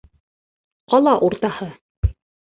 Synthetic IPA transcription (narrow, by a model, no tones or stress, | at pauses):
qɑlˠɑʔuɾt̪ɑhɤ